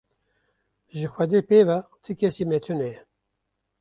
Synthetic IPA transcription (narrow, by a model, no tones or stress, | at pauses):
ʒɨxʷɛd̪eːpeːvat̪ʰɨkɛsiːmɛt̪ʰunɛjɛ